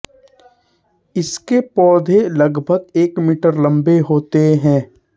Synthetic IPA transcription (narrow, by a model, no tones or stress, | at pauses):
ɪskepɔːd̪ʱeləɡbʱəɡeːkmiːʈəɾlɐ̃mbeɦoːt̪eɦɛ̃ː